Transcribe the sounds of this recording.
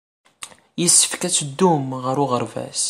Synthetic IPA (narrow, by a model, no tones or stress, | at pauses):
jəsːə̥fkæt͡sːəd̪ːumʁəɾʊʁəɾvæ̰s